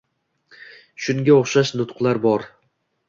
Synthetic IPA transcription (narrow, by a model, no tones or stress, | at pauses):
ʃʊŋɡʲaoχʃaʃnʊt̪qʰlˠaɾbɒɾ